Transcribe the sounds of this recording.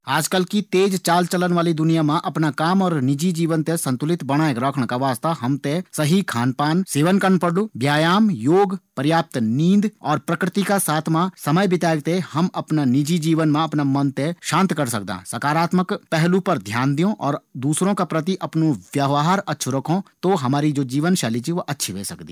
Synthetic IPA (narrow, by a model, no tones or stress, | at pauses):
aːd͡ʒkəlkit̪eːd͡ʒt͡ʃaːlt͡ʃələnʋaːlid̪ʊnijamãʔɐpnakaːmɔːɾnɪd͡ʒid͡ʒiːʋənt̪esɐ̃nt̪ʊlɪt̪bɐɽ̃aːjkɾəkʰɽ̃kaʋaːst̪aɦɐmt̪esɐɦikʰaːnpaːnseːʋənkəɾnpəɽlubjaːjaːmjoːɡpəɾjaːp̚t̪nĩːnd̪ɔːɾpɾəkɾɪt̪ikasaːt̪ʰmãsɐməjbɪt̪aːɡ̚t̪ehɐmɐpnanɪd͡ʒid͡ʒiːʋənmãɐpnamɐ̃nt̪eʃãːnt̪kɐɾsɐk̚d̪ã̰ːsɐkaːɾaːt̪məkpɛɦlupɐɾd̪ʱjaːnd̪ijõʔɔːɾd̪uːsɾõkapɾət̪̬iʔɐpnõʋjɐʋɦaːɾɐtːʃʰuɾəkʰõt̪oɦɐmaːɾid͡ʒoːd͡ʒiːʋənʃaːlit͡ʃiʋoʔɐtːʃʰiʋḛːsɐkd̪ḭː